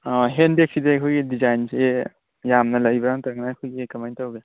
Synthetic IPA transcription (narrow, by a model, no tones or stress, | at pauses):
ɔɦenbek̚sidekʰojɡidizajnse | jamnɐlɐjbɾaŋtaŋnakʰojɡikɐmajntawbe